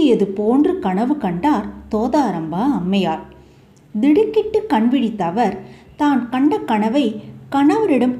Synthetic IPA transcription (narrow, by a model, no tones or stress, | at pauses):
ɪjɐðɯpoːndrɯkɐɳɐʋɯkɐɳɖaːɾt̪oːðaːɾɐmbaːɐmːɐjaːɾ | d̪ɪɽɯkːɪʈːɯkɐɳʋɪɽit̪ːɐʋɐɾ | t̪aːnkɐɳɖɐkːɐɳɐʋɐɪkɐɳɐʋɐɾɪɽɐm